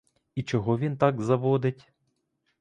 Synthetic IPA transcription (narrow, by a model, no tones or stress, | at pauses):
it͡ʃɔɦɔʋʲint̪ɑɡzɐʋɔd̪ɪtʲ